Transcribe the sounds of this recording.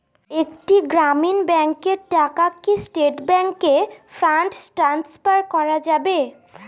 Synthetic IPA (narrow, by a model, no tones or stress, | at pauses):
ekʈiɡɾaminbɛŋkeɾʈakakːisʈeʈbɛŋkefɾaɳʈsʈɾansfaɾkɔɾad͡ʑabe